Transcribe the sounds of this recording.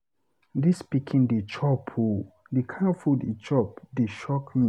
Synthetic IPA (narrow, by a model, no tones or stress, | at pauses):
dispikʰĩndet͡ʃʰɔpʰu | dikʰãfudit͡ʃɔp̚deʃɔkmĩ